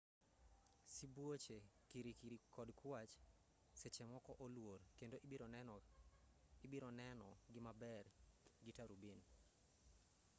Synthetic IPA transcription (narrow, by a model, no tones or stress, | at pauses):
sibwot͡ʃekiɾiɾikɔdkʰwat͡ʃ | set͡ʃɛmɔkɔʔolworkendoʔ | ɪbiɾɔnɛnɔɡɪmabɛrɡɪtaɾubin